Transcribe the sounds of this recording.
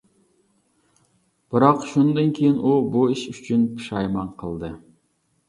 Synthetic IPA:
b̥ɨɾɑqʃund̪ɨnkʲʰejiɪnʔubuiʃyt͡ʃʰynpʰɨ̥ʃɑjmɑnqʰəlˠd̪ɨ

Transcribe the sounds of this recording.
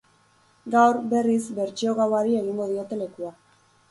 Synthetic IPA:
ɡawɾbe̞rizbe̞ɾt͡ʃio̞ɣawaɾie̞ɣ̞iŋɡo̞ðio̞t̪e̞le̞kua

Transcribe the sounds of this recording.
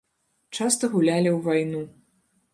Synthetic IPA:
t͡ʂast̪ɐɣulʲalʲiwvajnu

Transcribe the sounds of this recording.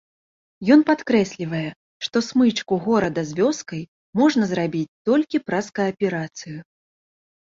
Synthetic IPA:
jɔnpat̪kɾɛsʲlʲivɐjɛ | ʂt̪ɔsmɨt͡ʂkuɣɔɾɐd̪ɐzʲvʲɔskɐj | mɔʐnɐzɾabʲit͡sʲt̪ɔlʲkʲipɾɐskɐɐpʲɛɾat̪sɨju

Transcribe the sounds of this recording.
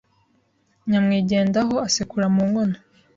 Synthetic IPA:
ɲamŋiːɟe̞ːndaɦo̞asikuɾamuːŋɡo̞no

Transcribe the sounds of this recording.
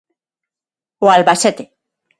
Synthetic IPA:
oalβaset̪e

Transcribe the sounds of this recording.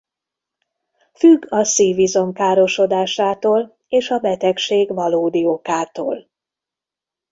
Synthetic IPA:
fyɡːɒsiːvizo̞ŋkaːɾo̞ʃo̞d̪aːʃaːt̪oːl | eːʃɒbɛt̪ɛkʃeːɡvɒloːd̪iokaːt̪o̰ːl

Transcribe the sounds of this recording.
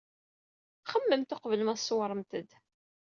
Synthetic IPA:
χəmːəmt̪ʊqvələmæsːwɾˤəmt̪əd̪

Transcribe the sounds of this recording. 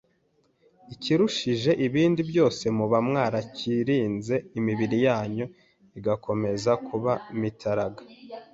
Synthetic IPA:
iciɾuʃiʒe̞ʔiβiːndibjo̞ːse̞muβamŋaːɾaciɾiːnze̞imiβiɾijaːɲo | iɡakʰo̞me̞zakʰuβamitʰaɾaɡa

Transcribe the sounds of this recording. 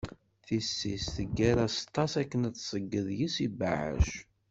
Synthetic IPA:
θisːisθəɡːæɾæst̪ˤːɑsækːənt̪ːsˤəɡːəðjisibaʕə̰ʃ

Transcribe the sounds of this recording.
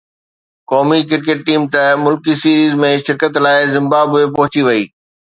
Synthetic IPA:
kɔːmikɪɾkeːʈ̚ʈiːmt̪ɐmʊlkisiːɾiːzmẽʃɪɾkət̪laːɪzɪ̃mbaːbepɐɦʊt͡ɕiʋɐiː

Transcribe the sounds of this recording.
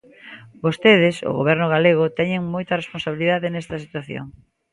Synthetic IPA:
bost̪eðɪso̰ɣo̰βɛɾnʊɣaleɣʊt̪ɛɲeŋmojt̪ɐresponsaβiliðaðɪnɛst̪ɐsit̪waθjo̰ŋ

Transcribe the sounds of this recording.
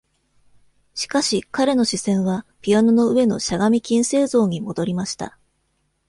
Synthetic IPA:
ɕi̥kaɕikaɾe̞no̞ɕisẽ̞ɰ̃βapʲiano̞no̞ɯ̟e̞no̞̰ɕaɡamʲikʲĩɰ̃se̞ːzo̞ːɲ̟imo̞d̪o̞ɾʲimaɕi̥t̪a̰

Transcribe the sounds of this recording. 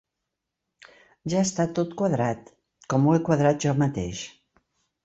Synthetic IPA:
ʒaəst̪at̪ot̪kwaðɾat̪ | kɔmuekwaðɾat̪̚ʒɔmat̪ḛʃ

